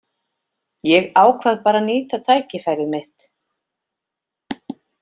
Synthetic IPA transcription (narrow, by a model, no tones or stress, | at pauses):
jɛɣaːwkʰvaðpaːɾaniːt̪at̪ʰaːjcɪfajɾɪɾmɪht̪